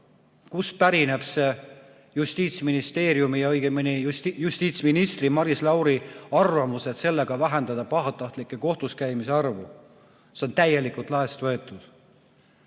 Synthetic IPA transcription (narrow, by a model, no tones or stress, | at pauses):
kuspæɾine̞b̥se̞ | just̪iːt̪sminist̪e̞ːɾjumijɑojɡ̥eminijust̪iːt̪sminist̪rimɑɾislɑwɾiɑrvɑmuset̪se̞lːe̞ɡ̥ɑvæɦend̪̥ɑd̪̥ɑpɑɦɑt̪ːˑɑht̪likːˑe̞ko̞ht̪uskæjmise̞ɑrvu | seo̞nt̪æje̞likult̪ˑlɑe̞st̪vɤ̞e̞t̪ːˑud̪̥